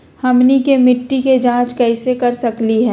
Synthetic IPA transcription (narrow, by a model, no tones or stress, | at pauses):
hɐmnikemɪʈːiked͡ʒãːt͡ʃkɛɪsekɐɾsɐkliɦɛ̃ː